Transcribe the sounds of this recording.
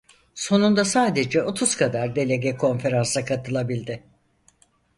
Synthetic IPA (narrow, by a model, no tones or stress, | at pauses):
so̞nund̪asaːd̪e̞d͡ʒɛo̞t̪ʰuz̥kʰad̪aɾd̪e̞lʲe̞ɟɛkʰo̞nfe̞ɾansakʰat̪ʰɯlˠabilʲd̪ɪ